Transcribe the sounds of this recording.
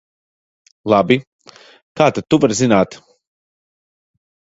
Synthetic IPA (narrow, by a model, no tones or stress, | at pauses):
lˠabi | kaːt̪at̪ːuvaɾzinaːt̪